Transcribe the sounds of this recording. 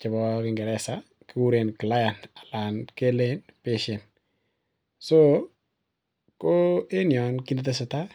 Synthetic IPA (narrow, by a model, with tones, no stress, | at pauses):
t͡ʃɪ˨bɔ˦kɪ˨ŋɡɛ˨ɾɛ˨sa˦ | kɪ˦wu˦ɾe˨nkla˦ja˨nta˨la˨nke˦len | pe˦ʃɛ˨n | so˦ | ko˦e˦njɔ˨nki˦ni˦t̪e˦sʊ˨ta˦